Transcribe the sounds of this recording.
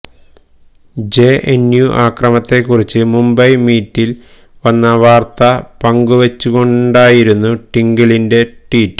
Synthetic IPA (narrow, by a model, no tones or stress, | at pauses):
d͡ʑe̞ʔenjuʔaːkrɐmɐt̪ːe̞kːurit͡ɕːɨmumbɐjmiːtːil | ʋɐnːɐʋaːrt̪ɐpɐŋɡuʋet͡ɕːuɣo̞ɳɖaːjiɾunːuʈiŋɡiɭinde̞ʈiːtː